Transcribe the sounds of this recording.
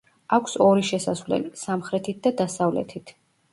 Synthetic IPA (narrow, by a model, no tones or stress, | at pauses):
akʷʰsɔɾiʃɛsasvlɛ̰lisamχɾɛt̪ʰit̪̚ʰd̪ad̪asavlɛ̰t̪ʰit̪ʰ